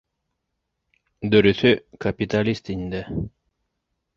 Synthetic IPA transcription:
d̪ɵɾyθykapit̪alʲist̪ind̪ɛ

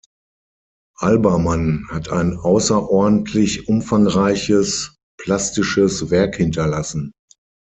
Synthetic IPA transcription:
ʔalbɐmanhatʰaɪnaʊsɐʔɔɐdn̩tʰlɪçʔʊmfaŋʁaɪçəs | pʰl̥astɪʃəsvɛɐkhɪntɐlasn̩

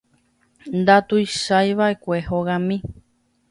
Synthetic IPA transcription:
nd̪at̪ujʃajʋae̞kʷehoɣãmĩ

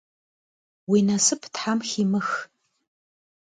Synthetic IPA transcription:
winasɨpʰtħamximɨx

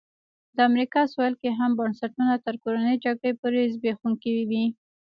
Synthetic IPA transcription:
d̪əamɾikɑswɑjlkeɦambɑnsaʈunat̪əɾkoɾanəjd͡ʒaɡɽəjpoɾezbexuŋkiwiwi

